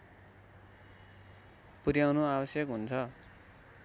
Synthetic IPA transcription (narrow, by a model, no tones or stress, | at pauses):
purjawnoabʌsjʌkɦunt͡sʰʌ